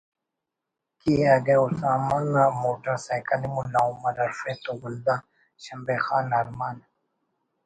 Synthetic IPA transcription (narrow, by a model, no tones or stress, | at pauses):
kiaɡeusaːmaŋamoːʈɐɾsajkɐlimulaumɐɾɐɾfet̪oɡʊld̪a | ɕɐmbexaːnaɾmaːn